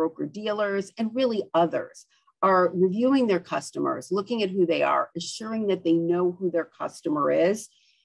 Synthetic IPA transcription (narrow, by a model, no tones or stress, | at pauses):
oʊkə˞dilˠə˞zɨ̃nɹɪlˠiʌðə̰˞z̥ | ə˞ɹivjʉɪ̃ŋðə˞kʰʌstəmə̰˞zlʊkɪ̃ŋɨt̚ɦuðeɪə̰˞ɨʃʊɹɪ̃ŋðɨt̪̚ðeɪnoʊhuðə˞kʰʌ̰stəmə̰˞ɪz̥